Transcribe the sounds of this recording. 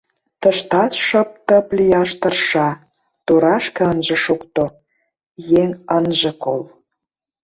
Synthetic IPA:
t̪əʃt̪ɑt̪ʃə̆p̚t̪ə̆plʲijɑʃt̪ə̆rʃɑ | t̪oɾɑʃkɤ̆ənʒĕʃokt̪o | jeŋənʒĕkol

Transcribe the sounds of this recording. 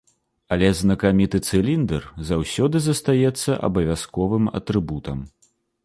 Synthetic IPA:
ɐlʲɛznɐkamʲit̪ɨt̪sɨlʲind̪ɛrzawsʲɔd̪ɨzɐst̪ajɛt̪sːɐʔɐ̰bɐvʲaskɔvɨmɐ̰t̪ɾɨbut̪ɐm

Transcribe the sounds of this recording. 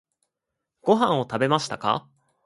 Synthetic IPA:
ɡ̥o̞ɦãɰ̃o̞t̪abe̞maɕi̥t̪aka̰

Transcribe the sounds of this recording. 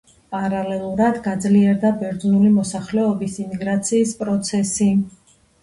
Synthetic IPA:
pʼaɾalɛlˠuɾad̪ɡad̪zliɛɾd̪abɛɾd̪znulimɔsaχlɛɔbisimiɡɾat̪sʰiːspʼɾɔt̪sʰɛsi

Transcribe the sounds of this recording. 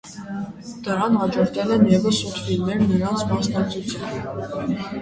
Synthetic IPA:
d̪̥əɾɑnhɑd͡ʒɔɾt̪ʰɛlɛnjɛvəsut̪filnɛɾnəɾɑnt͡sʰmɑsnɑk̚t͡sʰut͡sʰjun

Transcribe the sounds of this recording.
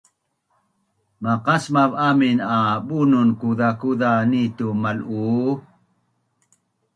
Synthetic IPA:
maqasmavaminaɓununkuðakuðanitumalu

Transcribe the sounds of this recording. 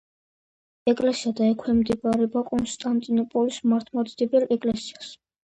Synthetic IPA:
ɛkʼlɛsiad̪aɛkʰwɛmd̪ibʼaɾɛbakʼɔnt̪ʼant̪ʼinɔpʼɔlismaɾt̪ʰmad̪sd̪ibɛlɛkʼlɛsias

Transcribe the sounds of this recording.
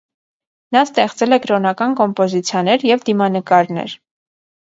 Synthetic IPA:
nɑst̪ɛχt͡sɛlɛkɾɔnɑkɑnkɔmpɔzit͡sʰjɑnɛɾjɛvd̪imɑnəkɑɾnɛ̰ɾ

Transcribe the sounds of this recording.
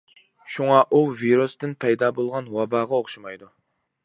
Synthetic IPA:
ʃuŋɑʔuviɾust̪ɪnpʰɛjd̪ɑːbolˠʁɑnwɑbɑːʁɑoχʃimɑjd̪u

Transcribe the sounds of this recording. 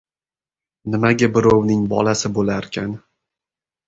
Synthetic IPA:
nɪmaɡʲabɪɾɒwnɪŋbɒ̰lasɪbolaɾkʲʰan

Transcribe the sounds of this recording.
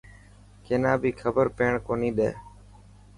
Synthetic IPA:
keːnãːbʱiːkʰəbəɾpeːɳkoːniːɗḛː

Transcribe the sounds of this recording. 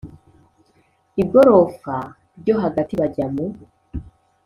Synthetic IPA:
ibɡo̞ɾo̞fa | ɾɟo̞ɦaɡatiβaɟamu

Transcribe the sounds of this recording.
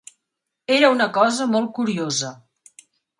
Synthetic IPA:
eɾəunəkɔzəmɔl̚ˠkuɾiozə

